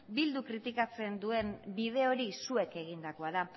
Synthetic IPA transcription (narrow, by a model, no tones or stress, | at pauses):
bild̪ukɾit̪ikat͡se̞nd̪ue̞nbið̞e̞o̞ɾisue̞ke̞ɣ̞ind̪ako̞aða